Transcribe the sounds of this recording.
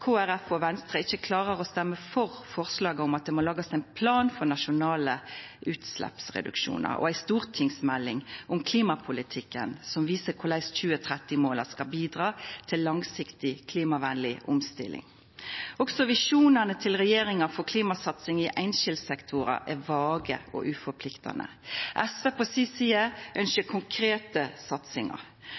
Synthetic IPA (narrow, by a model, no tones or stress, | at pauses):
kʰoːæɾɛfɔʋɛnst̪ʁəɪçːəkʰlɑːɾəʁɔst̪ɛmːəfɔɾfɔʁslɑːɡəʊmɑt̪̚d̪ɛmɔlɑːɡɑsæɪnpʰlɑːnfɔʁnɑʂʊnɑːləʉːt̪slɛ̰psʁɛ̰d̪ʉ̰kʃṵːnə̰ɾɔ̰æɪst̪uːɾt̪ʰɪŋsmɛlːɪŋʔʊmkʰliːmɑpʰʊlɪt̪ʰɪkːənsɔmʋiːsəɾkʰʊʁlæɪsc͡çʉːət̪ʰɾɛt̪ːɪmoːlɑskɑbiːd̪ʁɑːt̪ʰɪlːɑŋsɪkt̪ɪkʰliːmɑʋænlɪʔʊmst̪ɪ̰lʔɪ̰ŋ | ɔksɔʋɪʂuːnənət̪ʰɪlʁɛjeːɾɪŋɑfɔɾkʰliːmɑsɑt̪sɪŋɪʔæɪnʃɪld̪sɛkt̪ʰʊɾɑ̰ʔɛɾʋɑːɡə̰ɔ̰ʔʉfɔpʰlɪkt̪ʰɑ̰nə̰ʔɛsʋepʰɔsiːsiːəʔœnʃəkʰʊŋkʰɾeːt̪əsɑt̪sɪŋɑ̰ɾ